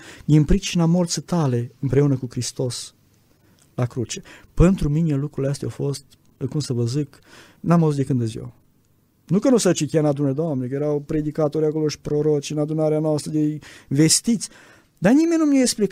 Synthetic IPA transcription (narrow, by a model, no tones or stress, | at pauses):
d̪inpɾit͡ʃinamo̞rt̪sət̪ale̞ɨmpɾe̞unəkukɾist̪o̞s | lakɾut͡ʃepent̪ɾumine̞lukɾuileast̪eawfo̞st̪ | kumsəvəzɨk | namavzut̪d̪ekɨnd̪əzjḛw | nukənusat͡ʃit̪ijanad̪unəd̪oamnekəjeɾawpɾe̞d̪ikat̪o̞ɾjako̞loʃi̥pɾoɾot͡ʃʲɨnad̪unaɾeanoast̪ɾəd̪eve̞st̪it̪sʲ | d̪animenʲnumjaeksplik